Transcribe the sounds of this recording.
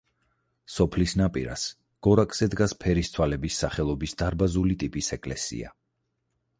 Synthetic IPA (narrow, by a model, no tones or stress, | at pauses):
sɔpʰlisnapʼḭɾa̰s | ɡ̥ɔɾakʼz̥ɛd̪ɡaspʰɛɾist̪ʰwalɛbisːaχɛlˠɔbisd̪aɾbazulit̪ʼipʼisɛkʼlɛsḭa̰